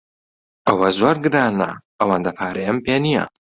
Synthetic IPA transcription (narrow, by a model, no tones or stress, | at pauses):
ɐwɐzoːɾɡɨɾaːnɐ̰ | ɐwand̪ɐpʰaːɾejɐmpeːnijɐ̰